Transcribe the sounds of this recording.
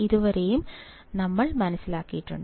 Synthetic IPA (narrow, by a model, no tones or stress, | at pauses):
iðuʋɐɾejum | nɐmːɐɭmɐnɐsːilaːkːijiʈːuɳɖɨ